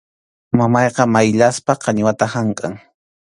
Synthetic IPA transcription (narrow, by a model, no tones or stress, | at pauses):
mamɑjqɑmajʎaspaqɑɲwat̪ahaɴkʼaŋ